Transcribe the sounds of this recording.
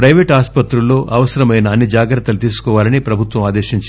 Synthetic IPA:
pɾɐjʋeːʈaːspɐt̪ɾulːo̞ːʔɐʋɐsɐɾɐmɐjnɐːnːid͡ʒaːɡɾɐt̪ːɐlut̪iːsu̥kɔːʋaːlɐnipɾɐbʱut̪ʋɐmaːd̪eːʃiɲt͡ʃ

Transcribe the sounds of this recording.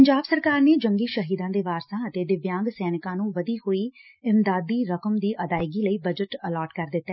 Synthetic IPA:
əɲd͡ʒaːbsəɾkaːɾneːd͡ʒəŋɡiːʃəɦiːd̪ãːd̪eːʋaːɾsãːət̪eːd̪ɪʋjãːŋɡsɛːnɪkãːnũːʋəd̪iːɦoːiːɪmd̪aːd̪iːɾəkəmd̪iːʔəd̪aːɪɡiːləiːbəd͡ʒəʈəlɔːʈkəɾd̪ɪt̪ːɛː

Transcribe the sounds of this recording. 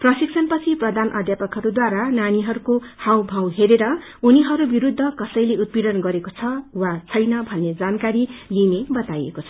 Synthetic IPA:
prʌsiksʰʌnpʌt͡sʰiprʌd̪ʱanʔʌd̪ʱjapʌkɦʌɾud̪waɾananiɦʌɾukohawbʱãwɦeɾeɾʌ | uniɦʌɾubiɾud̪ʱːʌkʌsʌjleut̪̚biɽʌnɡʌɾekot͡sʰʌwat͡sʰʌjnʌbʱʌnːed͡zankaɾilinebʌt̪ajḛkot͡sʰʌ̥

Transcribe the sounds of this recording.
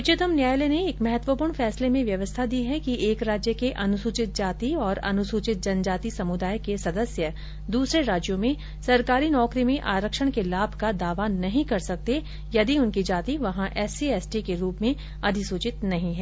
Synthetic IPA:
ɪt͡ʃɪt̪əmnjaːjleneeːkmɛɦət̪ʋəpuːɾɳfɛːslemẽʋjɐʋəst̪ʰad̪iːɦɛkiʔeːkɾaːd͡ʒjəkeʔɐnʊsuːt͡ʃɪt̪̚d͡ʒaːt̪iɔːɾɐ̰nʊsuːt͡ʃɪt̪̚d͡ʒɐnd͡ʒaːt̪isɐmʊd̪aːjkesɐd̪əsjə | d̪uːsɾeɾaːd͡ʒjõmẽ | sɐɾkaːɾinɔːkɾimẽʔaːɾəkʃəɽ̃kelaːbʱkad̪aːʋanɐɦĩkɐɾsɐk̚t̪e | jɐd̪iʊnkid͡ʒaːt̪iʋɐɦãʔɛːsiɛːsʈikeɾuːpmẽ | ɐd̪ʱɪsuːt͡ʃɪt̪nɐɦĩɦɛː

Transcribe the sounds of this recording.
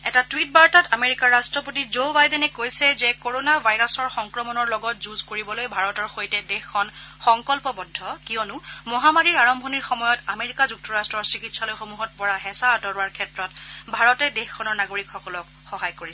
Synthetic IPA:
ɛtatwit̚baɹtatameɹikaɹːastɹɔpotizobajdɛnɛkojsɛzɛkoɹonabʱajɹɔsɔɹxɔŋkɹɔmɔnɔɹlɔɡɔtzuzkoɹibɔlojbʱaɹɔtɔɹxojtɛdexkʰːɔnxɔŋkɔlpɔbɔdʱːɔkijɔnʊmɔɦamaɹiɹaɹɔmbʱoniɹxɔmɔjɔtameɹikazuk̚tɔɹastɹɔɹsɹikitsalojxomuɦɔt̚pɔɹaɦɛsaːdɔɹwaɹkʰɛtɹɔtbʱaɹɔtɛdexkʰɔnɔɹnaɡoɹikxɔkɔlɔk | xɔɦajkoɹis

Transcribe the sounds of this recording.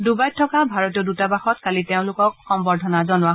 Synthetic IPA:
dubajtʰːɔkabʱaɹɔtiɔdutabaxɔtkaliteʊ̃lʊkɔkxɔmbɔɹdʱɔnazɔnʊwaɦ

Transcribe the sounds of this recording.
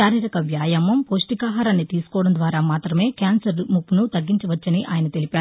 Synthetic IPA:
aːɾiːɾɐkɐʋjaːjɐmɐmpoːsʈikaːɦaːɾaːnːit̪iːsu̥kɔːɽɐnd̪ʋaːɾaːmaːt̪ɾɐme̞ːkaːnsɐɾmupːnut̪ɐɡːiɲt͡ʃɐʋɐt͡ʃːɐniʔaːjɐnɐt̪e̞lipaːɾu

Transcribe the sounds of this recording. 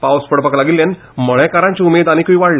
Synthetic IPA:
pawspəɽpəklaɡilːjan | məɭɛkaɾãɲt͡ɕiumed̪añikiʋaɽlə

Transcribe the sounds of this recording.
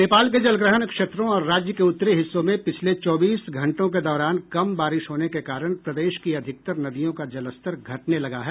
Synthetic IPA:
neːpaːlk̬ed͡ʒɐlɡɾəɦənkʃeːt̪ɾõɔːɾːaːd͡ʒjəkeʊt̪ːɾeɦɪsːõmẽpɪt͡ʃʰlet͡ʃɔːbiːsɡʱɐ̃ɳʈõk̬ed̪ɔːɾaːnkɐmbaːɾɪʃɦoːnekekaːɾəɽ̃pɾɐd̪eːʃkiɐd̪ʱɪk̚t̪əɾnɐd̪ijõkad͡ʒɐləst̪əɾɡʱɐʈnelɐɡaɦɛː

